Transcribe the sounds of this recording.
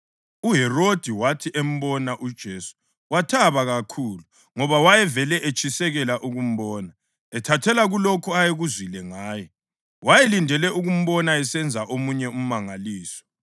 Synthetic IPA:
uɦɛrod̥ʱiwatʰiʔem̩βɔnaʔud̥ʒ̥ʱeːsu̥ | watʰaβaɣakʰuːlu | ŋɔβawajɛvɛlɛʔet͡ʃʼisɛɣɛlaʔuɣum̩βɔːna | ɛtʰatʰɛlaɣulokʰuajeɣuzwilɛŋaːjɔ | wajelindʱɛlɛuɣum̩βɔnaɛsɛnd͡zʱaʔomuɲɛum̩maŋaliːsɔ̥

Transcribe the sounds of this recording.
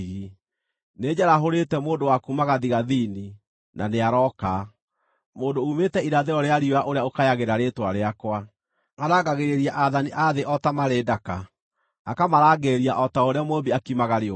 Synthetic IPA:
ɣi | neːd͡ʒaɾaɦoɾetɛmoːndowakumaɣaðiɣaðini | nʔa̰neaɾɔka | moːndoumetɛiɾaðeɔɾeaɾioɾaʔoɾeaokajaɣeɾaɾeːtwaɾeakwa | aɾaːɡaɣeɾeɾiaʔaðaniʔaðeʔɔtamaɾeːdaka | akamaɾaːɡeɾiaʔɔtaoɾeamobiakimaɣaɾeo

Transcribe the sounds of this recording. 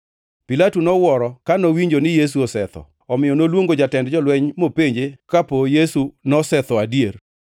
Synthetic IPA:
pilatunɔwɔɾɔkanowiɲd͡ʒonɪjes̬uɔsɛt̪ɔ̰ | ɔmɪjɔnolwoŋɡod͡ʒatɛndd͡ʒɔlwɛɲmopeɲd͡ʒekapojesunɔsɛt̪ɔadier

